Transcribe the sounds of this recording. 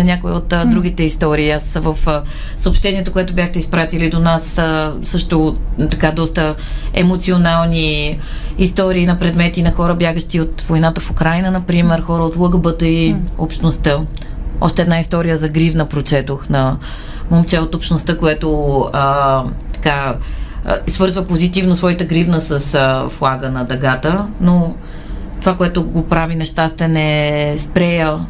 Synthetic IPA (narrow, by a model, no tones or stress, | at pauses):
ɛnʲakoḭot̪d̪ɾuɡʲit̪ɛist̪ɔɾiːasvəf | səɐoːpʃt̪ɛniɛt̪okoɛt̪ʊbjaxt̪ɛispɾat̪ilid̪onasəsɤʃt̪ot̪ɐkad̪ɔst̪əɛ̰mot̪sionalˠni | ist̪ɔɾiːnɐpɾɛd̪mɛt̪inɐxɔɾəbʲjaɡəʃt̪iot̪vojnat̪əfʊkɾajnənɐpɾimɛɾxɔɾəot̪lˠəɡəbət̪əiopʃt̪nost̪ə | ɔ̰ʃt̪ɛːd̪naist̪ɔɾijəzɐɡɾivnəpɾot͡ʃɛt̪oxnɐ | momt͡ʃɛot̪opʃnost̪əkoɛt̪oət̪ɐ̥ka | svɤɾzvəpozit̪ivnosvɔit̪əɡɾivnəsəsflˠaɡənɐd̪ɐɡat̪əno | t̪ovakoɛt̪ʊɡopɾavinɛʃt̪ast̪ɛnɛspɾɛjə